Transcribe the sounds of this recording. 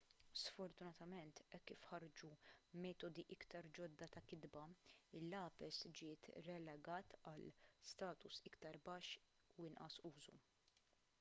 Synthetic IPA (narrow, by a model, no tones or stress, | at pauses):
sfɔɾt̪ʊnɐt̪ɐmɛnt̪ɛkːifħɐɾd͡ʒumɛːt̪ɔd̪iʔɪkt̪ɐɾd͡ʒɔd̪ːɐt̪ɐkɪd̪bɐɪlːɐːpɛsd͡ʒɪːt̪ɾɛlɛɡɐːt̪ɐlst̪ɐːt̪ʊsɪkt̪ɐɾbɐːʃː | uɪnʔɐsuːzṵ